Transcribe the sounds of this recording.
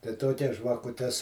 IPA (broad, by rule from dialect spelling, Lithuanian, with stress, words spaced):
tɐɪ ˈtoːkʲɛs ʒʋɐkʊˈtʲɛs